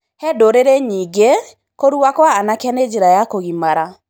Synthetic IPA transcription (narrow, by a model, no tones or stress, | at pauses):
hɛdoɾeɾeɲiːɡe | koɾuakwaːnakɛned͡ʒeɾajakoɣimaɾa